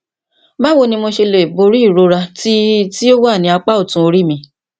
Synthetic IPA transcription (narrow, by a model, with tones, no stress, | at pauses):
mã˦wo˧nĩ˧mo˧ʃe˧le˨bo˧ɾi˦˨ɾo˧˦ɾa˧ti˦ti˦o˦wa˦˨nĩ˧˦a˧k͡pa˦o˦˨tũ˧˦o˧ɾi˦˨mĩ˧